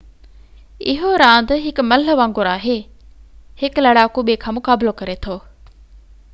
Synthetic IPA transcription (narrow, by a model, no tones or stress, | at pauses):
ɪ̰ɦoːɾãːnd̪ɦɪkmɐlɦəʋãːŋɡoɾaːɦeː | hɪklɐɽaːkuɓeːkʰamʊkaːbɪlokɐɾeːt̪ʰoː